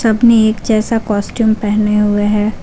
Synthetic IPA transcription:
sɐbneeːkd͡ʒɛːsakɔːsʈjuːmpɛɦneɦʊeɦɛː

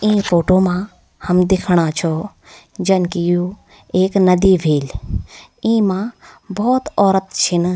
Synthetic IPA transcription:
ĩːpʰoːʈomã | həmd̪ɪkʰɽ̃at͡ʃʰɔː | d͡ʒɐnkijuː | eːknɐd̪iːbʱeːl | ĩːmãbɔːt̪ɔːɾət̪t͡ʃʰin

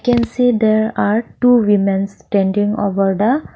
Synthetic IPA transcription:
kɛ̃nsiːd̪eɾaɾʈuːʋimẽnsʈɛ̃ɳɖĩŋo̰ʋəɾd̪a

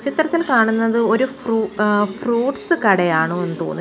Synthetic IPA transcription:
t͡ɕit̪ːɐrɐt̪ːilkaːɳunːɐðɨo̞ɾufruːfruːʈsɨkɐɽɐjaːɳoːenːɨt̪o̞̰ːnːu

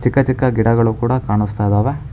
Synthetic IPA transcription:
t͡ʃikːɐt͡ʃikːɐɡiɽɐɡɐɭukuːɽɐkaːɳust̪ajd̪ɐːʋe

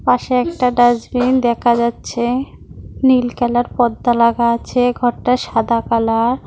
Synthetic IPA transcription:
paʃeɛk̚ʈaɖad͡ʑbind̪ɛkʰad͡ʑatːɕʰe | nilkɛlaɾpɔd̪ːalaɡaat͡ɕʰeɡʱɔɾʈaʃad̪akalaɾ

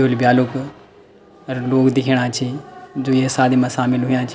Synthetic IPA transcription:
olbjaːlʊk | ɐɾloːkd̪ɪkʰiɽ̃aːt͡ʃʰed͡ʑoːiesaːd̪imãsaːmɪlɦuijãt͡ʃʰ

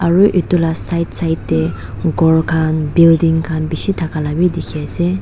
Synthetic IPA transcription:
ʔaɹuʔit̪ulasajt̪sajt̪ːe | ɡɔɹkʰanbild̪iŋkʰanbiʃit̪ʰakalabid̪ikʰɛse

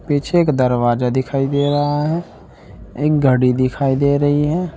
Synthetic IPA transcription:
pit͡ʃʰeːkd̪əɾwaːzad̪ɪkʰaːid̪eːɾɐɦaɦɛ | eːk̚ɡʱəɽid̪ɪkʰaːid̪eːɾəɦiɦɛː

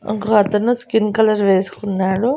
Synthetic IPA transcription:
ɐ̰ŋkɐɦɐt̪ɐnːuskinkɐlɐɾʋeːskunːaːɽu

